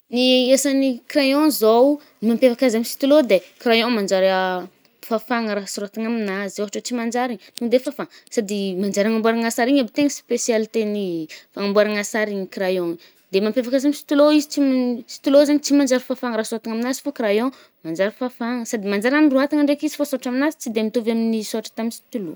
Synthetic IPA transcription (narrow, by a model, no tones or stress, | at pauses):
niesanikɾajõzow | imampefakazamisi̥t̪ulod̪ekɾajõŋmand͡ʒaɾ | fafaŋəɾasuɾat̪iŋaminazowaɦaʈ͡ʂot͡simand͡ʒaɾit̪ud̪efafaŋsad̪imand͡ʒaɾaŋambuaɾaŋasaɾiɲabit̪eŋəspesialt̪enifaŋambwaɾaŋasaɾiɲikɾajoŋə | d̪emampefakazamisi̥t̪uloizit͡simsi̥t̪ulozaɲit͡simand͡ʒaɾifafaŋəɾasuɾat̪iŋaminazi̥fakɾajõ | mand͡ʒaɾifafaŋəsad̪imand͡ʒaɾaniruat̪aŋəɳɖ͡ʐekizi̥fosoaʈ͡ʂaminazi̥t͡sid̪emit̪ovaminisoaʈ͡ʂə̥t̪aminsi̥t̪ulo̰